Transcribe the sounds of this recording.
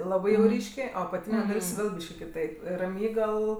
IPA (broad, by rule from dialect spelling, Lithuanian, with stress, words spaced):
ˈlˠɑːbɜ jɛʊ ˈrʲiːʃʲkʲeː oː ɐpɐˈtʲiːnʲɛ ˈdɐlʲsʲ ˈʋʲeːlˠ ˈbʲiːʃʲkʲɪ kʲɪˈtɐɪp rɐˈmʲiːɡɐlˠ